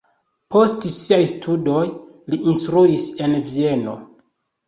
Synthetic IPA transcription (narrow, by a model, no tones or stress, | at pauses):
po̞stsiajstʰudo̞j | liʔinstɾuise̞nvie̞no̞̰